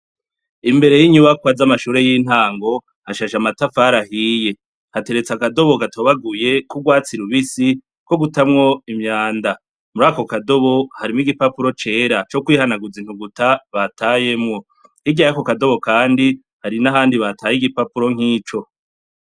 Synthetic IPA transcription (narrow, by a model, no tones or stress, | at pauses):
imbe̞ɾe̞jiɲuβakwazamaʃuːɾe̞jin̥haːŋɡo̞ | haʃaʃamatafaɾahije̞ | hate̞ɾe̞t͡sakado̞βo̞ɡatʰoβaɡuje̞kuɡwaːt͡siɾuβisi | ko̞ɡutamŋo̞imɲaːnda | muɾaːko̞kado̞βo̞haɾimŋiɡipapuɾo̞t͡ʃe̞ːɾat͡ʃo̞kwiːhanaɡud͡ziːn̥huɡutaβatʰaje̞mŋo̞ | hiɡɟajako̞kado̞βo̞kaːndi | haɾinaɦaːndiβatʰaːjiɡipapuɾo̞ŋ̥iːt͡ʃo̞